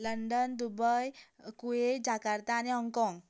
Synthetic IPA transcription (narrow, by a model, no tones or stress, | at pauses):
ləɳɖənd̪ubəj | kued͡ʑakaɾt̪aːniɦɔŋkɔ̃ŋɡ